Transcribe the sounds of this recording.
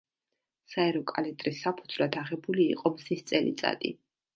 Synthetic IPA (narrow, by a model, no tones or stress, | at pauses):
saɛɾɔkʼa̰lɛt̪ʼɾisapʰud̪zvlad̪aʁɛbulḭːqʼɔmzist̪sʼɛlḭt̪sʼa̰t̪ʼḭ